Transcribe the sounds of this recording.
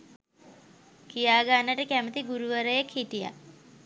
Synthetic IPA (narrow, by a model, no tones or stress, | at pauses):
kijaːɡanːəʈəkæmət̪iɡuɾuʋəɾəjəkhiʈija̰